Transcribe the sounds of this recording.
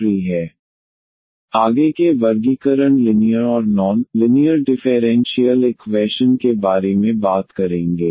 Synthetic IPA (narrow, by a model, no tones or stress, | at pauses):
ɾiɦɛː | aːɡekeʋɐɾɡikəɾəɳlɪnijəɾɔːɾnɔːnlɪnɪjəɾɖɪfʰeːɾɛ̃ːnʃijəlɪkwʋɛːʃənkebaːɾemẽbaːt̪kɐɾẽːŋɡeː